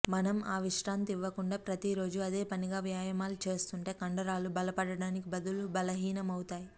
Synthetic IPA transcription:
mɐnɐmaːʋiʂʈaːnt̪iʋːɐkuɳɖaːpɾɐt̪iɾo̞ːd͡ʒuɐd̪e̞ːpɐniɡaːʋjaːjɐmaːlut͡ʃe̞ːst̪uɳʈe̞ːkɐɳɖɐɾaːlubɐlɐpɐɽɐɽaːnikibɐd̪ulubɐlɐɦiːnɐmɐwut̪aːji

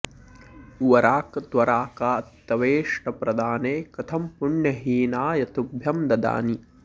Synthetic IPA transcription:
ʋɐɾaːkɐt̪ʋɐɾaːkaːt̪ːɐʋeːʂʈɐpɾɐd̪aːneːkɐt̪ʰɐmpuɳjɐɦiːnaːjɐt̪ubʱjɐmd̪ɐd̪a̰ːni

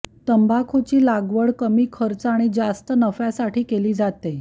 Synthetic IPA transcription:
t̪əmbʱakʰot͡ɕiːlaɡʋəɽkəmiːkʰəɾt͡saɽ̃id͡zast̪ənəfjasaʈʰiːkeliːd͡zat̪e

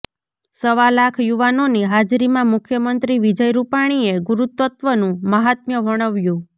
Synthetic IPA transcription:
səʋalakʰjuʋanoniɦad͡ʒɾimãmʊkʰjəmənt̪ɾiʋid͡ʒəjɾupaɽ̃ieɡuɾut̪ːət̪ʋənũməɦat̪̚mjəʋʱəɽ̃əʋjũ

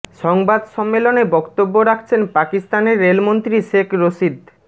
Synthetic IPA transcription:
ʃɔŋbad̪ʃɔmːelonebɔkt̪obːoɾakʰt͡ɕʰenpakist̪aneɾːelmont̪ɾiʃekʰɾoʃid̪

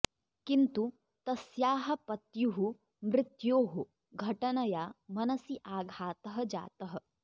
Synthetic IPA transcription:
kint̪u | t̪ɐsjaːɦɐ̆pɐt̪juɦu | mɾɪt̪joːɦu | ɡʱɐʈɐnɐjaːmɐnɐsiʔaːɡʱaːt̪ɐɦɐ̆d͡ʒa̰ːt̪ɐɦɐ̆

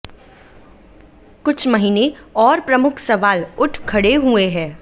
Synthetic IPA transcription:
kʊt͡ʃʰmɐɦiːneɔːɾpɾɐmʊkʰsɐʋaːlʊʈʰkʰːɐɽeɦueɦɛ̃ː

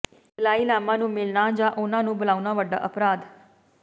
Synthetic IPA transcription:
laːiːlaːmãnũːmɪɭnad͡ʒaʔonãnũːbʊlaːunaʋəɖːa̰ʔəpɾaːd̪

